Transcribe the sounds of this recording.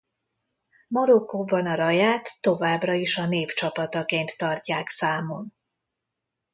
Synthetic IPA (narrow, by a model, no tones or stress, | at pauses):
mɒɾo̞kːoːbɒnɒɾɒjaːt̪ːo̞vaːbrɒiʃɒneːft͡ʃɒpɒt̪ɒkeːnt̪ːɒrcaːksaːmon